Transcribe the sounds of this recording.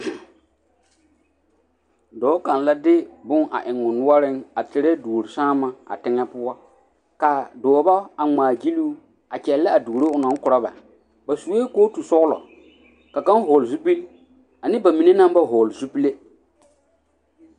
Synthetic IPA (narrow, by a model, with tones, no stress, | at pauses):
dɔː˨˦ka˨n˨la˦dɪ˦bʊ˦ŋa̰˨ʔɪ˨ŋ˨ʊ˨nʊ˦ɔ˦ɾɪ˦ŋa˨tɪ˨ɾɛ˦du˨ɾi˨saː˦ma˨a̰˨tɪ˦ŋɛ˦pʊ˦wɔ˦ | ka˨dɔː˨ba˦a˨ŋ͡maː˨d͡ʒi˦luː˦ | a˨t͡ʃɛ˨lːɛ˦a˨duː˨ɾe˦ʊ˨nã˦ŋ˦kʊ˨ɾa˦ba̰˨ | ba˨su˨e˦koː˦tu˨sɔ˦ɣlɔ̰˨ | ka˨ka˦n˦ɦɔː˨lzu˦pi˦l | a˨nɪ˦ba˨mi˨ne˦nã˦mba˦ɦɔː˨lzu˦pi˦le˦